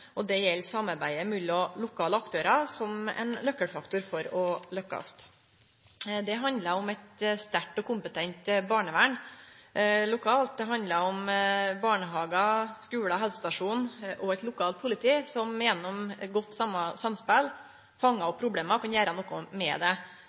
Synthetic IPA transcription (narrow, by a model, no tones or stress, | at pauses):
ʔɔd̪ɛjɛlːsɑmɑɾbæɪəmʉlːɔlʊkʰɑːləɑkt̪ʰøːɾɑsɔmɛ̰ɪnlœkːəɽfɑkt̪ʊɾfɔɾɔlœkːɑ̰st̪ | d̪ɛɦɑnd̪ləɾɔmɛt̪st̪æʈːɔkʊmpət̪ʰɛnt̪bɑːɳəʋæɳ | lʊkʰɑːlt̪̚d̪ɛɦɑnd̪ləɾɔmbɑːɳəɦɑːɡɑskʉːɽɑɦɛlsəst̪ɑʂuːnʔɔɛt̪lʊkʰɑːlt̪̚pʰʊlɪt̪ʰiːsɔmjɛnːɔmɡɔt̪ːsɑmɑsɑmspɛl | fɑŋːɑɔpʰːɾʊbleːmɑkɑnjæːɾənɔkʊmɛ̰d̪ɛ